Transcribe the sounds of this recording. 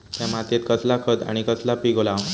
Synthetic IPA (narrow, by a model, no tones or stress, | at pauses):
t̪jamat̪et̪kəslakʰət̪a̰ɽ̃ikəslapiɡola